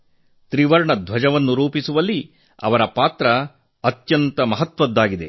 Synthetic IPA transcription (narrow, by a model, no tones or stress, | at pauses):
t̪ɾiʋɐɾɳɐd̪ʱʋɐd͡ʒɐʋɐnːuɾuːpisuʋɐlːi | ɐ̰ʋɐɾɐpaːt̪ɾɐː | t̪jɐnt̪ɐmɐɦɐt̪ʋɐd̪ːaːɡid̪e̞̰